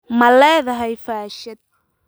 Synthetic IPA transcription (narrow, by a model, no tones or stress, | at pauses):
mɐlɛːðɐɦɛjfaːʃɐd̪̚